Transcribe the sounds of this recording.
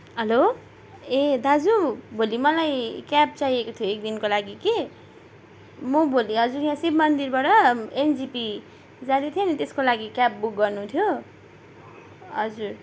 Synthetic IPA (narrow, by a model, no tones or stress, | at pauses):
ɦʌlo | ẽd̪ʱad͡zubʱolimʌlajkap̚t͡sajekot̪ʰjoek̚d̪inkolaɡike | mʌbʱoliɦʌd͡zuɾjãsibmʌnd̪irbaʈʌend͡zipi | d͡zãd̪it̪ʰjenit̪eskolaɡikap̚buk̚ɡʌrnut̪ʰjo | ɦʌd͡zur